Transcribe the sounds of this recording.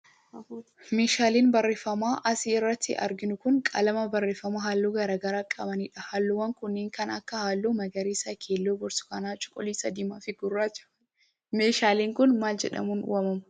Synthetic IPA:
meːʃaːleːnbɐrːeːfɐmaːʔɐsɪːrːɐt̪ʰːɪ̰ʔɐ̰ɾɡɪnʊkʊŋkʼɐ̰lɐmɐbɐrːeːfːɐmaːhaːlːoːɡɐɾaːɡɐɾaːkʼɐbɐniːᶑɐhaːlːowɐŋkʊnːeːŋkɐnɐkːɐhaːlːoːmɐɡɐɾiːsɐkʰeːlːoːbʊɾsʊ̥kɐnaːt͡ʃʼʊ̥kʼɔliːsɐd̪iːmaːfɪɡʊrːaːt͡ʃː | meːʃaːleːŋkʊnmaːld͡ʒɛ̰ᶑɐ̰muːn̰wɐmɐmʊ

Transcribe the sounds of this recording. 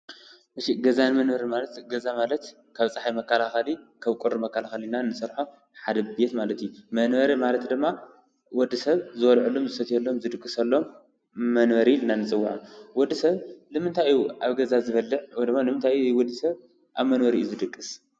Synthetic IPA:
ʔɨʃiɡɐzanmɐnbɐɾimalɐt̪ɡɐzamalɐt̪ | kʰaβt͡sʼaħajmɐkʰːɐlaxɐlikʰaβkʼuɾmɐkʰːɐlaxɐlinaɨnːɨsɐɾħo | ħad̪ɐbe̞t̪malɐt̪ijumɐnbɐɾimalɐt̪d̪ɨmːa | wɔd̪ːisɐβzɨwɔlʕɨlːomzɨsɐt̪ʰijɐlːomzɨd̪ɨkʼːɨsɐlːo̞mː | ɐnbɐɾiɨnːanːɨt͡sʼɨwːaʕawɔd̪ːisɐβnɨmɨnt̪ʰajjuʔaβɡɐzazɨβɐlːɨʕwɔjd̪ɨmːanɨmɨnt̪ʰajjujwɔd̪ːɨsɐβ | ʔaβmɐnbɐɾiʔjuzɨd̪ɨkʼːɨs

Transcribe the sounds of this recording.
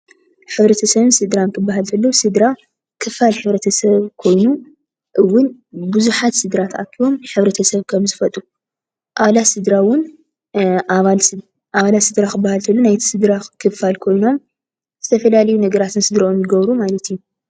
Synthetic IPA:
ħɨβɾɐt̪ʰɐsɐβɨnsɨd̪ɾankʰɨbːaɦalt̪ʰɐlːosɨd̪ɾa | kʰɨfːalħɨβɾɐt̪ʰɐsɐβkʰo̞jnu | ʔɨwːʊnbɨzuħat̪sɨd̪ɾat̪ʰʔa̰kʰːiβo̞mħɨβɾɐt̪ʰɐsɐβkʰɐmzɨfɐt̪ʼu | ʔaβalatsɨd̪ɾawʊn | aβal | ʔaβalat̪sɨd̪ɾakɨbːahalt̪ʰɐlːonajt̪ʰi̥sɨd̪ɾakʰɨfalkʰo̞jno̞m | z̥ɨt̪ʰɐfɐlalɐjunɐɡɐɾat̪ʰɨnsɨd̪ɾaonzɨɡɐβɾumalɐt̪ijːu

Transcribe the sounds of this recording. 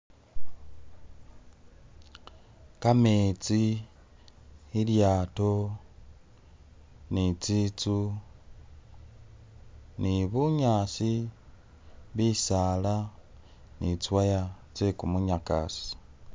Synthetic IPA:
kamet͡si | iljaːto | nit͡sit͡su | niβuɲaːsi | βisaːla | nit͡swaja | t͡sekumuɲaka̰si̥

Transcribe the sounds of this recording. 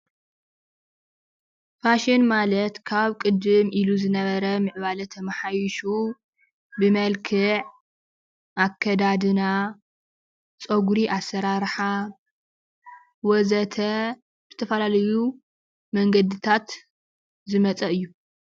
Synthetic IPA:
faʃɪnmalɐt̪kʰaβkʼɨd̪ɨmiluzɨnɐβɐɾɐmɨʕβalɐt̪ʰɐmɐħajɪʃu | bɨmɐlkʰɨʕ | ʔakʰːɐd̪ad̪ɨna | t͡sʼoɡuɾiʔasːɐɾaɾħa | wɔzɐt̪ʰɐ | z̥ɨt̪ʰɐfɐlalɐju | mɐŋɡɐd̪ɨt̪ʰat̪ | zɨmɐt͡sʼɐɨjːu

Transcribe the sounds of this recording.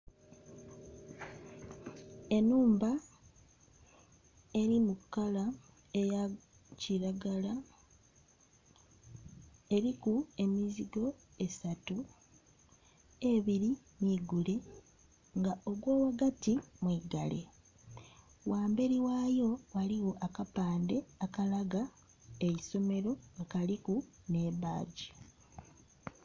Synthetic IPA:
e̞nuːmba | e̞ɾimukːala | eja | ciɾaɡala | e̞ɾikue̞miziɡo̞ | e̞satu | e̞βiɾi | niːɡule | ŋɡaʔoɡwoːwaɡatimwiːɡale̞ | wʔaːmbe̞ɾiwaːjo̞waliwo̞ʔakapaːnde̞akalaɡa | ejiso̞me̞ɾo̞akaliku | ne̞βaːɟi

